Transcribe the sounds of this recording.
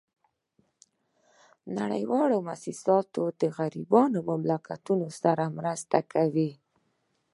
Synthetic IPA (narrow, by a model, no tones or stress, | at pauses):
naɽə̰jwɑlomasisɑt̪od̪əɣaɾibɑnomamlakat̪unosaɾamɾəst̪akʰawi